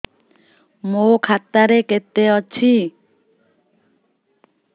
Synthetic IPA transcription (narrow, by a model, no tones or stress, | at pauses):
mokʰat̪ːaɾeket̪ːeɔt͡ɕʰi